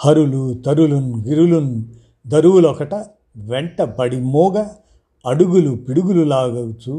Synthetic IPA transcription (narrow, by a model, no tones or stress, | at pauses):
hɐɾulut̪ɐɾulunɡiɾulunu | d̪ɐɾuʋulɔkɐʈɐ | ʋɛɳʈɐpɐɽimɔːɡɐː | ɽuɡulupiɽuɡululaːɡɐwut͡ʃu